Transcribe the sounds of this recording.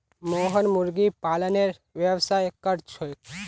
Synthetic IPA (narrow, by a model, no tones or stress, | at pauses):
moɦənmuɾɡipaːləneɾ | ʋeʋsajkəɾt͡ʃʰojk